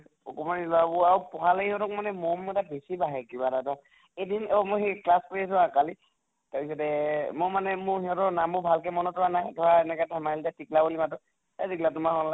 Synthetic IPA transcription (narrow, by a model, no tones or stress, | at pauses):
ɔ̰kɔmanilabʊaɹupɔɦaleihɔtɔk̚manɛmɔmɛtabesibaɦɛkibaɾatɔ̃ | edinɔmɔjxeklaskoɹias̬ʊ̃akali | taɹpis̬ɔtɛmɔmanɛmʊhiɦɔtɔnambʊbʱalkɛmɔnɔtɔɹanajdʱɔɹaɛnɛkatʰɛmailtatiklabolimatɔ | taziklatʊmaɦɔnla